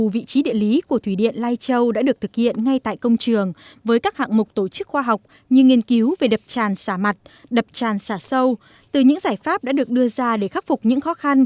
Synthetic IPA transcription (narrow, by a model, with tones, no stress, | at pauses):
u˨˩vḭ˧˨t͡ɕi˨˦ɗḭ˧˨əli˨˦ku˧˩ət̪ʰwi˧˩ɗḭ˧˨ənlaː˧jt͡ɕə˧wɗa̰ː˧˥ɗɨ˨˩ək̚t̪ʰɨ˨˩k̚hḭ˧˨ənŋa˧jt̪a̰ː˧˨jkə˧wŋ͡mt͡ɕɨ˨˩əŋvəː˨˦jkaː˦˥k̚ha̰ː˧˨ŋmʊ˨˩k͡p̚t̪o˧˩t͡ɕɨ˦˥k̚xwaː˧ɦa˨˩wk͡p̚ | ɲɨ˧ŋi˧ənki˨˦wve˨˩ɗə˨˩p̚t͡ɕaː˨˩nsaː˧˩ma˨˩t̚ɗə˨˩p̚t͡ɕaː˨˩nsaː˧˩sə˧w | t̪ɨ˨˩ɲɨ̰˧˥ŋzaː˧˩jfaː˦˥p̚ɗa̰ː˧˥ɗɨ˨˩ək̚ɗɨ˧əzaː˧ɗe˧˩xaː˦˥k̚fʊ˨˩k͡p̚ɲɨ̰˧˥ŋxɔ˨˦xa˧n